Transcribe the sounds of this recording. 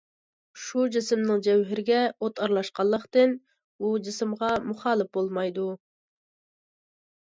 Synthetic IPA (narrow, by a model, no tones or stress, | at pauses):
ʃud͡ʒɪsɪmnɨŋd͡ʒɛwɦɪɾɪɡʲɛot̪ʰɑɾlˠɑʃqɑlˠːəqt̪ɪn | ud͡ʒɪsɪmʁɑmuχɑːlˠɨp̚bolˠmɑjd̪u